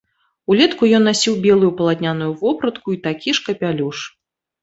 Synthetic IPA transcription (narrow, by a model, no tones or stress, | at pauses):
ulʲɛt̪kujɔnːasʲiwbʲɛlˠʊjupɐlˠat̪ʲnʲanujuvɔpɾɐt̪kuit̪akʲiʂkɐpʲalʲuʂ